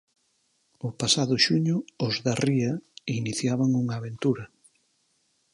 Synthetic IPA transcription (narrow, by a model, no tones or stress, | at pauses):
ʊpasaðʊʃuɲʊʊzðariɐiniθjaβaŋuŋaːβent̪uɾɐ